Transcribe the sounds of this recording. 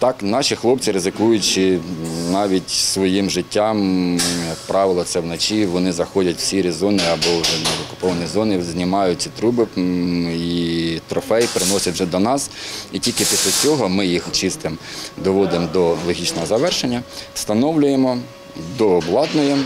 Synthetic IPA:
t̪ɑknɑʃʲixlˠɔp̚t͡sʲiɾɪzɪkujʊt͡ʃɪnɑʋʲitʲsʋɔjimʒɪtʲːɑmjɐk̚pɾɑʋɪlˠɔt̪sɛwnɐt͡ʃiʋɔnɪzɐxɔdʲɐtʲwsʲiɾʲizɔnɪɐbɔwʒɛnɛɔkʊ̥pɔʋɐnʲizɔnɪzʲnʲɪmɑjʊt͡sʲit̪ɾubɪ | it̪ɾɔfɛjpɾɪnɔsʲɐtwʒɛd̪ɔnɑsitʲilʲkɪpʲisʲlʲɐt͡sʲɔɦɔmɪjixt͡ʃɪst̪ɪmd̪ɔʋɔd̪ɪmd̪ɔlˠɔɦʲit͡ʃnɔɦɔzɐʋɛrʃenʲːɐst̪ɐnɔwlʲʊjemɔ | d̪ɔːblˠɑt̪nɔjɛ

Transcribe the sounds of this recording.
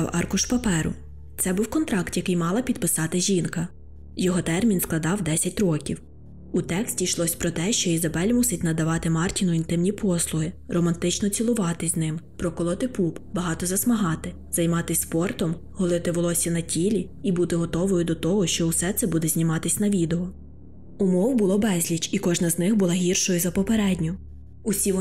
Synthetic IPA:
wɑ̰rkʊʃpɐpɛɾʊ̰ | t̪sɛbuwkɔnt̪ɾɑkt̪jɐkɪjmɑlˠɐpʲid̪̚pɪsɑt̪ɪʒʲinkɐ | jɔɦɔt̪ɛrmʲinsklˠɐd̪ɑwd̪ɛsʲɐtʲrɔkʲiw | ut̪ɛksʲtʲiʃlˠɔsʲpɾɔt̪ɛʃt͡ʃɔizɐbɛlʲmusɪtʲnɐd̪ɐʋɑt̪ɪmɑrtʲinʊint̪ɪmnʲipʰɔslˠʊɦɪɾɔmɐnt̪ɪt͡ʃnɔt͡sʲilˠʊʋɑt̪ɪzʲnɪmpɾɔkɔlˠɔt̪ɪpupbɐɦɑt̪ɔzɐsmɐɦɑt̪ɪ | z̥ɐjmɑt̪ɪsʲspɔrt̪ɔm | ɦɔlˠɪt̪ɪʋɔlˠɔsʲinɐtʲʰilʲiibut̪ɪɦɔt̪ɔʋɔjʊd̪ɔt̪ɔɦɔʃt͡ʃɔwsɛt̪sɛbud̪ɛzʲnʲimɑt̪ɪsʲnɐʋʲid̪eɔ | ʊmɔwbʊlˠɔbɛzʲlʲit͡ʃikɔʒnɐznɪxbʊlˠɑɦʲirʃɔjʊzɐpɔpeɾɛdʲnʲʊ | usʲi

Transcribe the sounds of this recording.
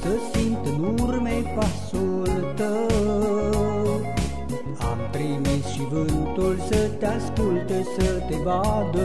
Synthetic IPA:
t̪əsimt̪ɨnuɾmepasolt̪ə | a̰mt̪ɾimisʃivɨnt̪ulsət̪easkult̪esət̪evad̪ə

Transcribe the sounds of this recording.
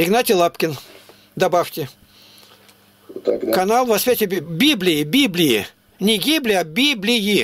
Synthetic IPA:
ɪɡnatʲɪlˠapkʲɪn | d̪ɐbaft̪ʲɪ | kɐnalˠvɐspʲatʲɪbʲiblʲɪjɪbʲiblʲɪjɪ̰ | nʲɪɡʲiblʲɪabʲiblʲɪji

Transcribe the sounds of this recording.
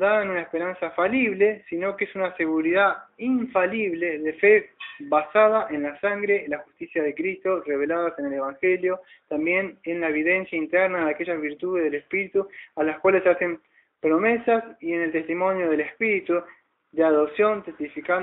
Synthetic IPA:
d̪aðaenunaespeɾansafaliβ̞le̞sino̞keesunase̞ɣuɾiðaiɱfaliβ̞le̞ðefeβasað̞aʔe̞nlasaŋɡɾe̞laxust̪isjað̞e̞kɾist̪o̞re̞β̞e̞laðase̞nele̞βaŋxe̞ljo̞ | t̪ambje̞nenlaeβ̞iðe̞nsjaint̪ɛɾnaðeake̞ʒazβiɾt̪uðezðelespiɾit̪ualaskwalesase̞m | pɾo̞me̞sasie̞nelt̪e̞st̪imo̞njoð̞e̞lespiɾit̪u | d̪eaðo̞psjo̞nt̪e̞st̪ifika

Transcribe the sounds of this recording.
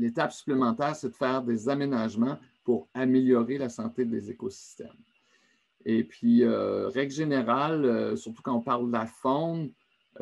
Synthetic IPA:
let̪apsy̥plemɑ̃t̪ɛːʁsɛd̪əfɛːʁd̪ezamenaʒmɑ̃ | puʁameljɔʁelasɑ̃t̪ed̪ezekosi̥st̪ɛ̰m | epʰɥiøʁɛɡlʒeneʁaløsyʁt̪ukɑ̃ɔ̃paʁld̪afɔ̃n

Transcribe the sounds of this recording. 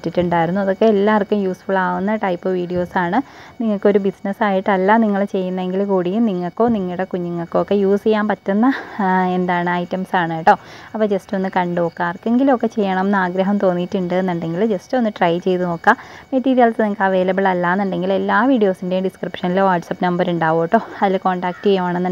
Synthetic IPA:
tːitːuɳɖaːjiɾunːuɐðo̞kːeːlːaːɐrkːumjuːsfuɭaːʋunːɐʈɐjpːɨʋiːɽijo̞ːsaːɳɨniŋːɐɭkːo̞ɾubisnɐsaːjiʈːɐlːaːniŋːɐɭt͡ɕe̞jːunːɐe̞ŋɡilkuːɽijumniŋːɐɭkːo̞ːniŋːiɽekuɲːiŋːɐɭkːɨokːe̞juːst͡ɕejːaːmpɐtːunːɐe̞nd̪aːɳɨɐjtːɐmsaːɳɐjʈːo̞ːɐpːɐːd͡ʑesto̞nːɨkɐɳɖɨokːaːrkːeŋɡilmokːe̞t͡ɕe̞jːɐɳɐmenːaːɡɾɐɦɐmt̪o̞ːnːitːuɳɖɨenːuɳɖe̞ŋɡild͡ʑe̞stɨo̞nːɨʈrɐjt͡ɕe̞jt̪uno̞ːkːameʈːiːɾijɐlsniŋːɐkːaːʋe̞ːlɐbiɭɐlːaːnːɐɳɖe̞ŋɡile̞lːaːʋiːɖijo̞ːsinde̞jumɖiskripʂɐniloːʋaːʈsɐpːnɐmbɐɾuɳɖaːʋoːʈːo̞ːɐðilko̞ːɳɖaːk̚ʈt͡ɕejːumaːɳenːɐ

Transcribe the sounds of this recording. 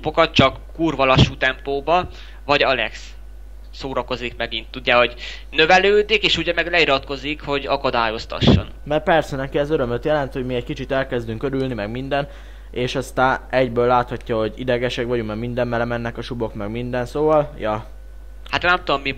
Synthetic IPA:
ubokɒt̪̚t͡ʃɒkːuːrvɒlɒʃut̪ɛmploːbɒ | vɒɟɒlɛ̰ks | soːɾɒko̞zikmɛɡint̪ːuɟːaːho̞ɟ | nøvɛløːd̪ikeːʃuɟɛmɛɡlɛiɾɒt̪ko̞zikho̞ɟɒkɒd̪aːjo̞st̪ɒ̰ʃːo̰nmɛrpɛrsɛnɛkiɛzøɾø̞mløt̪jɛlɛnt̪ho̞ɟmiɛɟkit͡ʃit̪ɛlkɛzd̪yŋkø̞ɾylnimɛɡmind̪ɛn | eːʃɒst̪aːnɛɟbøːlːaːt̪hɒcːɒɦo̞ɟid̪ɛɡɛʃɛkʋɒɟuŋmɛɡmind̪ɛmːɛlɛmɛnːɛkɒʃubo̞kmɛɡmind̪ɛnsoːvɒljɒ | hat̪nɛmt̪ud̪omːi

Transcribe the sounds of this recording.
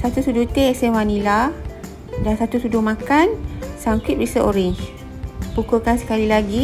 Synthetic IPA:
sat̪usudut̪eesewanila | dansat̪usuduhmãkansaŋkiʔ̚ɾisəʔoɾiɲt͡ʃ | pukukansə̥kalilaɡi

